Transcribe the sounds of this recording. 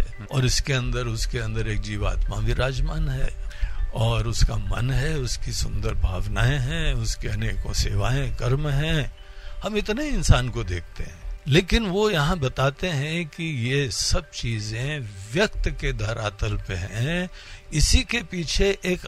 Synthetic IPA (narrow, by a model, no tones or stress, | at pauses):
ɔːɾɪskeɐ̃nd̪əɾʊskeɐ̃nd̪əɾeːk̚d͡ʒiːʋa̰ːt̪mabʱiɾaːd͡ʒmaːnɦɛ̰ːɔːɾʊskamɐ̰nɦɛʊskisʊ̃nd̪əɾbʱaːʋnaːẽɦɛ̃ːʊskeɐnekõ̰sḛːʋaːẽkɐɾmɦɛ̃ | hɐmɪt̪neɪnsaːnkod̪eːk̚ʰt̪eɦɛ̃leːkɪnʋojɐɦãbɐt̪aːt̪eɦɛ̃kijesɐb̚t͡ʃiːzẽʋjɐkt̪ked̪ʱɐɾaːt̪əlpeɦɛ̃ | ɪsikepiːt͡ʃʰeʔeːk